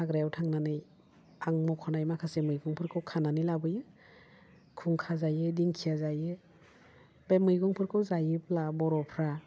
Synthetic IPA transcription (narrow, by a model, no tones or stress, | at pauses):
aɡɾajawtʰaŋnanɯj | aŋmɔkʰɔnajmakʰasemɯjɡɔŋpʰɯɾkʰɯwkʰananɯlabɯjɯ | kʰuŋkʰazajɯdiŋkʰijazajɯ | bemɯjɡɔŋpʰɯɾkʰɯwzajɯplabɔɾɔpʰɾa